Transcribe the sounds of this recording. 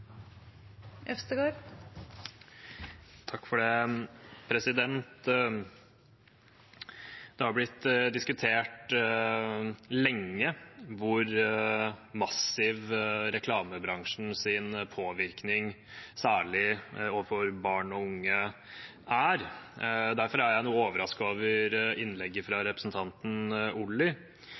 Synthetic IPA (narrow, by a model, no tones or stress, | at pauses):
ɛfst̪əɡoːɾ | t̪ʰɑkːfɔɖɛ | pʰɾɛsɪd̪ɛnt̪ | d̪̥ɛhɑɾblɪt̪ːd̪ɪskʉt̪ʰeːʈ | lɛŋːəʋʊɾ | mɑsɪʋɾɛkʰlɑːməbɾɑŋʂn̩sɪnpʰoːʋɪɾknɪŋ | sæːɭɪoːʋəfɔɾbɑːɳɔʊŋːə | æɾ | d̪æɾfɔɾæjæɪnuːoːʋəɾɑskoːʋəɾɪnlɛɡːəfɾɑɾɛpɾəsn̩t̪ʰɑnt̪n̩ʊlːɪ